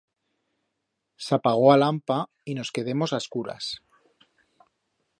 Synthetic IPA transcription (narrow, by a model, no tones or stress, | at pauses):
sapaɣ̞o̞alampa | ino̞ske̞ðe̞mo̞saskuɾa̰s